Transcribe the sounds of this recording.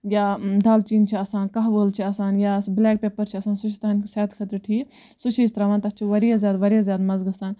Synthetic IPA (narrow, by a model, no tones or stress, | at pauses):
jaːd̪aːlt͡ʃiːnt͡ʃʰiɐsãːnkɐɦʋəːlt͡ʃʰiɐsaːnjaːblɛːk̚peːpəɾt͡ʃʰiɐsaːnsut͡ʃʰit̪ɐɦɐnsaːt̪kʰɐt̪ɾʈʰiː | sut͡ʃʰist̪ɾaːʋaːnt̪ɐt͡ʃʰiʋɐɾijazʲjaːd̪ʋɐɾijaːzjaːd̪mɐzɡɐsaːn